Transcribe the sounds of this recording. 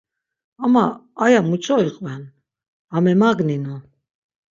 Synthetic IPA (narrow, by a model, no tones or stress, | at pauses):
amaːjamut͡ʃʼɔiqʼvɛn | amɛmaɡninu